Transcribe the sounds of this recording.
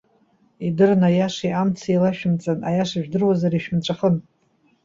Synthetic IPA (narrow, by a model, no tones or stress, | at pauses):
idɨrnajaʂiʔamt͡sʰilaʃᶣʊmt͡sʼanajaʂaʒᶣdɨrwazaɾiʃᶣmt͡ʃʷʰʼaχən